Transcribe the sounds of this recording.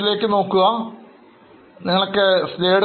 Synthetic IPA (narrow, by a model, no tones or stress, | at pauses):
ile̞ːkːɨno̞ːkːuɣɐ | niŋːɐɭokːest̪eːɽ